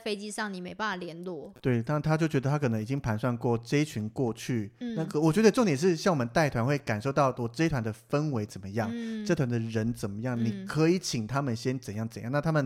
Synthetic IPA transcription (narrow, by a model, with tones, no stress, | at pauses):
fe˥ɪt͡ɕi˥ʂɑ˥˩ŋni˨˩me˧ɪpa˥˩na˨˩ljɛ˧˥nlwɔ˥˩t̪we˥˩ɪt̪a˥˧t̪ʰa˥t͡ɕjo˥˩ʊt͡ɕɥɛ˧d̪ə˧t̪ʰa˥kʰɤ˨˩nɤ˧˦ŋi˨˩t͡ɕi˦˥ŋpʰa˧˥nswa˥˧nkwɔ˥˩ʈ͡ʂe˥ɪt͡ɕʰy˧˥nkwɔ˥˧t͡ɕʰy˥˩na˥˩wɔ˨˩t͡ɕɥɛ˧˥d̪ə˧ʈ͡ʂŋt̪jɛ˨˩ʂɻ̩˥˧ɕjɑ˥˩ŋwɔ˨˩mə˧˦nt̪a˥˩ɪt̪ʰwa˧˥nxwe˥˩ɪka˨˩nʂo˥˧ʊt̪ɑ˥˩ʊwɔ˨˩ʈ͡ʂə˥ɪt̪ʰwa˧˥nd̪ə˨fə˦nwe˧˥ɪt͡sə˨˩mə˦jɑ˥˩ŋʈ͡ʂt̪ʰwa˧nd̪ə˨ɻə˧˦nt͡sə˨˩nmə˦jɑ˥˩ŋni˨˩kʰɤ˧˥i˨˩t͡ɕʰi˨˩ŋt̪ʰa˥mə˨nɕjɛ˥nt͡sə˨˩njɑ˥˩ŋt͡sə˨˩njɑ̰˥˧na˥˧t̪ʰa˥mə˨n